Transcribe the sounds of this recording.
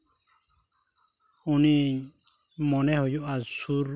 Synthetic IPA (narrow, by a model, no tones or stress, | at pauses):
uni | mɔnɛhɔjuʔazsuɾ